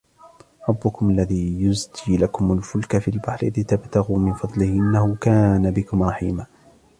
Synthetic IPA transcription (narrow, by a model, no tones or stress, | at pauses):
ɾˤɑbːʊkʊmalːaðiːjʊzd̪iːlakʊmalfʊlkafilbaħɾɪlɪt̪abt̪aɣuːmɪnfɑd̪ˤlɪhʔɪnːahʊkaːnabɪkʊmɾˤɑħḭːmaː